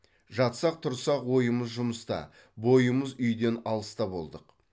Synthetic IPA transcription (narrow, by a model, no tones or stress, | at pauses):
ʒɑt̪sɑq̚t̪ʰʊɾsɑqwo̞jəməzʒʊməst̪ɑ̰ | bo̞jəməzʏjd̪e̞nɑlˠəst̪ɑbo̞̰lˠd̪əq